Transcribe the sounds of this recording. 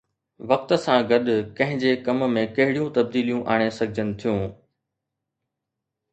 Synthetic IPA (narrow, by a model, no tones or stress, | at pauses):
ʋɐk̚t̪sãɡɐɗʊkɐ̃ɦɪ̃d͡ʑekɐmmẽkɐɦɪɽijũt̪ɐb̚d̪iːlijũʔaːɽ̃esɐɡʱɪd͡ʑənɪ̆t̪ʰijũː